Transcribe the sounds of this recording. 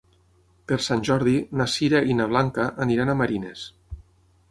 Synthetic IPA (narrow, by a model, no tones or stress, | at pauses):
peɾsanʲʒɔɾðinasiɾaʔinaβ̞laŋkaʔːniɾanamaɾines